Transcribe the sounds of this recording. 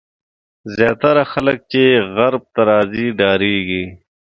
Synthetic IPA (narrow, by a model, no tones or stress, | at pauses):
zjaːt̪ɐɾaxɐlək̚t͡ʃeːɣɐɾb̚t̪ɐɾaːziːɖaːɾiːɡiː